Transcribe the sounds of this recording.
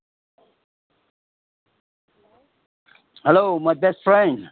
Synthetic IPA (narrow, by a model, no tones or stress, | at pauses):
hɛlomaɪbɛstfɹɛ̃nd